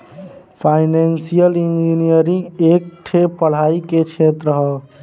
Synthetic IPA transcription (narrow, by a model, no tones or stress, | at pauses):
pʰajnensijəlind͡ʒinijəɾĩŋɡek̚ʈʰepəɽ̤aiket͡ʃʰet̪ɾəɦə